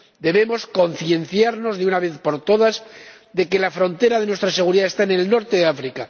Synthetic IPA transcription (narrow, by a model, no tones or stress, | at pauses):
d̪e̞βe̞mo̞sko̞n̟θje̞nθjaɾno̞zðeunaβ̞e̞θpo̞ɾt̪o̞ðaz | d̪e̞ke̞lafɾo̞nt̪e̞ɾaðe̞nwest̪ɾase̞ɣ̞uɾiðaest̪aenelno̞ɾt̪eðeafɾika